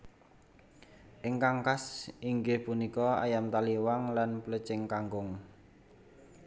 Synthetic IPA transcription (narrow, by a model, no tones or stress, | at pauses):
ʔɪŋkaŋkasiŋɡɪhpunikɔa̰jamt̪aliwaŋlanpələt͡ʃɪŋkaŋɡʊŋ